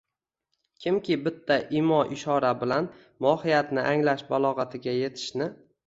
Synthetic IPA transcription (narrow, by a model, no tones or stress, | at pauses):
kʲʰɪmkʲɪbɪt̪ʰːaʔɪmɒʔɪʃɒɾabɪlan | mɒhɪjat̪nɪʔaŋlaʃbalˠɒʁɑt̪ʰɪɡʲaje̞t̪ʰɪ̥ʃnɪ